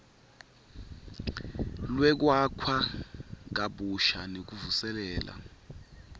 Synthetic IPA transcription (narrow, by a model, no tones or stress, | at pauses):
lwɛk̬wakʰwak̬aɓuʃanek̬uvusɛlɛːla̰